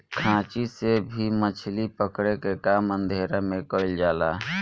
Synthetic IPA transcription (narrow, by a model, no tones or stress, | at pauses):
kʰãːt͡ʃisebʱimət͡ʃʰlipəkɽekekaːmə̃nd̪ʱeːɾamẽkəld͡ʒaːla̰ːɦ